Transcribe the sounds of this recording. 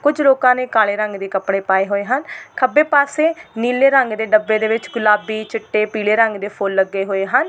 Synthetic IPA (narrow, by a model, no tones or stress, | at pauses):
kʊd͡ʒloːkãːneːkaːleːɾəŋɡd̪eːkəpɽ̃eːpaːeːɦoːeːɦənkʰəbeːpaːseːniːleːɾəŋɡd̪eːɖəbːeːd̪eːʋɪt͡ʃɡʊlaːbiːt͡ʃɪʈːeːpiːleːɾəŋɡd̪eːpʰʊlːəɡeːɦoːeːɦən